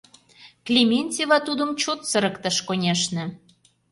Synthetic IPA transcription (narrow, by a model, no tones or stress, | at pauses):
klʲimʲenʲtʲivɑt̪ud̪ə̆mt͡ɕot̪sə̆ɾə̆kt̪əʃkonʲeʃnə̆